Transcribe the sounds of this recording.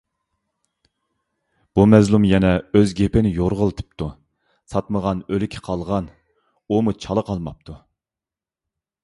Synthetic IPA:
b̥umɛzlˠumjɛnɛøzɡʲepɪnɪjoɾʁəlˠt̪ʰɨ̥p̚t̪ʰu | sɑt̪məʁɑnølɪkʲʰɪ̥qʰɑlˠʁɑn | umut͡ʃʰɑlˠəqʰɑlˠmɑp̚t̪ʰu

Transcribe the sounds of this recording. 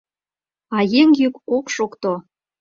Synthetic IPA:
ɑjeŋjykokʃokt̪o

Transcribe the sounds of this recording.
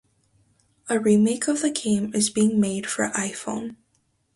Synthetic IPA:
əɹimeɪkʰʌvðɨkʰẽɪ̃mɨzbiɪ̃ŋmeɪd̥fə̰˞ʔaɪfõ̰ʊ̃n

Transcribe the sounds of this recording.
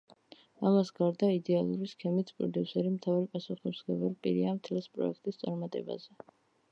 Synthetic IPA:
amasɡaɾd̪aid̪ɛalˠuɾiskʰɛmit̪sʰpʼɾɔ̰d̪iusɛɾimt̪ʰavaɾipʼasuχisɡɛbɛlpʼḭɾiamt̪ʰɛlɛspʼɾɔ̰ɛkʰt̪ʼist̪sʼaɾmat̪ʼɛ̰ba̰zɛ

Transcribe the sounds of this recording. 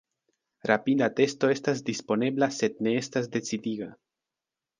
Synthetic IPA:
ɾapid̪ate̞sto̞e̞stasdispo̞ne̞blase̞d̚ne̞estas̬de̞t͡sidiɡa

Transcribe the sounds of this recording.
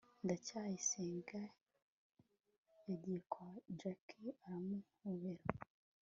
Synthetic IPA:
ndacajisiːŋɡa | edekʰwad͡ʒakʰiaɾamu | uβeɾo

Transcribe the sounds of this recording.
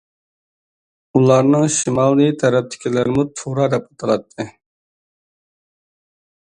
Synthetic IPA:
ulˠɑɾnɨŋʃimɑːllit̪ʰɛɾɛp̚t̪ʰɪ̥kʲʰelæɾɪmut̪ʰuɾɑːd̪ɛput̪ʰɑlɑt̪ʰːɨ

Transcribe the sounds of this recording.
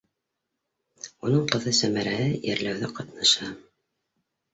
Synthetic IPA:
unɤɴqɤ̆ðɤsæmæɾæhɘjæ̰ɾlæwðɘqɑt̪nɑʃɑ

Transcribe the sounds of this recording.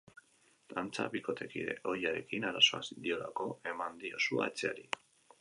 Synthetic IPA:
d̪̥ant͡sa̰βiko̞t̪ʰe̞kiɾe̞̰ʔo̞jaɾe̞kinaɾaso̞asid̪io̞lako̞e̞mand̪io̞sua̰et͡se̞aɾi

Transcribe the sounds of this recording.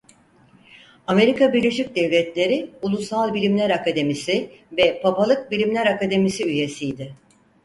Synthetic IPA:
ame̞ɾikʰabiɾlʲe̞ʃic̚d̪ɛvlʲɛt̪lʲe̞ɾiulˠusalˠbilʲimlʲæɾakad̪e̞misivɛpʰapalˠɯk̚bilʲimlʲæɾakad̪e̞misiyje̞sijd̪ɪ

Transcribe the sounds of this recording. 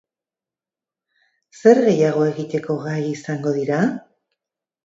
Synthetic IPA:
se̞ɾɣe̞jaɣ̞o̞e̞ɣit̪e̞ko̞ɣajisaŋɡo̞ðiɾa

